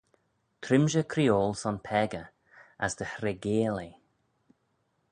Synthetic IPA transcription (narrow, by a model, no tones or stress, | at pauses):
t̪ʰɾɪmʒəkʰɾioːlˠsɔnpʰɛɡə | asd̪əhɾɛɡeːli